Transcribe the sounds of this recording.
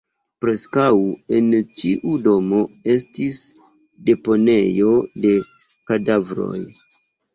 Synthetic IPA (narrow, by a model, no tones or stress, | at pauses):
pɾe̞skawe̞nt͡ʃiʔudo̞mo̞e̞stis | de̞po̞ne̞jo̞de̞ | kadavɾo̞̰j